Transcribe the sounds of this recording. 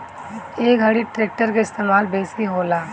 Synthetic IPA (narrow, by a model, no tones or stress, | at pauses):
eːɡʱɐɽiʈɾeːk̚ʈəɾkeɪst̪eːmaːlbeːsiɦoːlaː